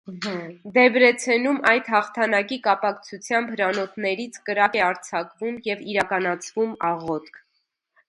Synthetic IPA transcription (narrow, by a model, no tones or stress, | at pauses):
d̪ɛbɾɛt͡sʰɛnumɑjt̪hɑχt̪ʰɑnɑkikɑpɑkt͡sʰut͡sʰjɑmbhəɾɑnɔt̪nɛɾit͡sʰkəɾɑkɛɑɾt͡sʰɑkvumjɛviɾɑkɑnɑt͡sʰvumɑʁɔt̪kʰ